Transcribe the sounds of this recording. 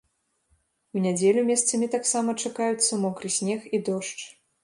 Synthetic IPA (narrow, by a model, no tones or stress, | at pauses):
unʲad͡zʲɛlʲumʲɛst̪sɐmʲit̪aksamɐt͡ʂakajut̪sːɐmɔkɾɨsʲnʲɛxid̪ɔʂt͡ʂ